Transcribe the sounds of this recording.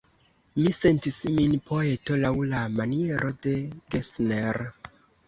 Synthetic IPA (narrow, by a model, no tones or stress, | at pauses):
mise̞ntisminpo̞e̞to̞lawlamanie̞ɾʔo̞de̞ɡesneɾ